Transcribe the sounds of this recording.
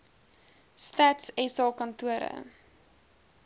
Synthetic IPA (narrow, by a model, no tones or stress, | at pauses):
stætsɛsɑːkɐntuəɾə̰